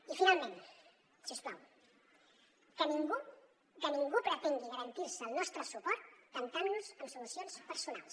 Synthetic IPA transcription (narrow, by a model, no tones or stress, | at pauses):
ifinalˠmẽn | sispla̰w | kəniŋɡu | d̪əniŋɡupəɾat̪eŋɡiɣəɾənt̪iɾsəːlˠnɔst̪ɾəsupɔɾt̪ːənt̪annuzəmsulusjonspəɾsuna̰lˠs